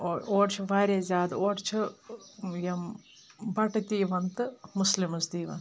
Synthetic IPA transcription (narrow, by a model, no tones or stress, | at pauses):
ooːʈt͡ʃʰuʋaːɾʲezʲaːd̪oːʈt͡ʃʰu | jɐm | bɐʈɐt̪iːʋɐnt̪ɨmuslimusd̪iːʋɐ̰nt̪